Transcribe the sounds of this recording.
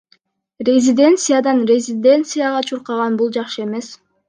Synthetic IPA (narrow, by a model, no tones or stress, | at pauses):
rʲezʲɪd̪ʲe̞nt̪sɨjad̪ɑnrʲezʲɪd̪ʲe̞nt̪sɨjaʁɑt͡ʃʰuɾqɑʁɑnbulˠd͡ʒɑqʃɯe̞me̞s